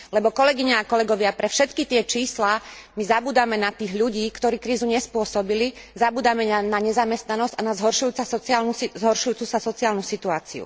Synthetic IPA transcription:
lɛbɔkɔlɛɡiɲaakɔlɛɡɔʋɪapɾɛfʃɛt̪kit̪ɪɛt͡ʃiːsla | mizabuːd̪amɛnat̪iːɣʎuɟiːkt̪ɔɾiːkɾiːzuɲɛspʊɔsɔbilizabuːd̪amɛanaɲɛzamɛst̪nanɔzcanazɦɔɾʃujuːt͡saɔt͡saːlnuszɦɔɾʃujuːt͡susasɔt͡siaːlnusit̪uaːt͡sḭṵ

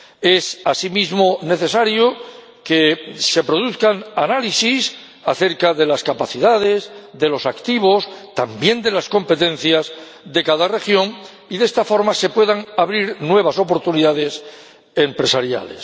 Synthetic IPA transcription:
e̞sasimizmo̞ne̞θe̞saɾjo | ke̞se̞pɾo̞ðuθkananalisis | aθe̞ɾkaðe̞laskapaθiðaðe̞zðe̞lo̞sakt̪iβ̞o̞st̪ambje̞nd̪e̞lasko̞mpe̞t̪ẽ̞n̟θjaz | ðe̞kaðare̞xjo̞ŋ | iðe̞st̪afo̞ɾmase̞pwe̞ðaŋaβɾiɾnwe̞β̞aso̞po̞ɾt̪uniðaðe̞s | e̞mpɾe̞saɾja̰le̞̰s

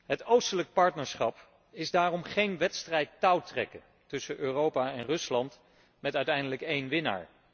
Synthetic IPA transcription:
ɦətowstələk̚pɑɹtnəɹsχɑp | ɪzdaːrɔmχejnʋɛtstrɛjtːɑwtrɛkə̰ | tɵsəʔøːrowpaɛnrɵslɑnt | mɛtœɥtɛjndələkejnʋɪna̰ːɹ

